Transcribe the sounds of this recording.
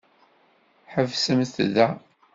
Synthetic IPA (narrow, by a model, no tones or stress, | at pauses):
ħəvsəmθðæ